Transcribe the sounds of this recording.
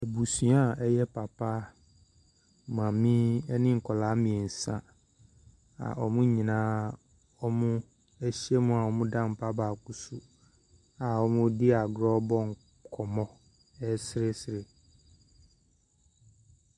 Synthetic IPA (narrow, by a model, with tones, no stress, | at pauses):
ɛ˨bu˨sɥa˦˨ɛ˦jɛ˦pʰa˨pa˦ | mã˨mĩ˦ɛ˦nɪ̃˦ŋ̩˨kʰɔ˨la˦mĩ˨ɛ˨n̩˨sã˦ | a̰˨ʔɔ˦mʊ̃˦ɲĩ˨nãː˨˦ | ɔ˦mʊ̃˦ | ɛ˦ɕi˦ɛ˦mũ˦a˨wɔ˦mʊ̃˦dã˦m̩˨pʰa˦baː˨ku˨su˨ | a˨ɔ˦mʊ̃˦dɪ˦a˨ɡɾɔ˦bɔ˦ŋ˨ | kʰɔ˨mɔ̃˦ | ɛ˦sɪ˦ɾe˦sɪ˨ɾe˨